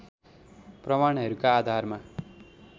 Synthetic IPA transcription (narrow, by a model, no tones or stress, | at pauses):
prʌmaɽ̃ɦʌɾukaːd̪ʱarma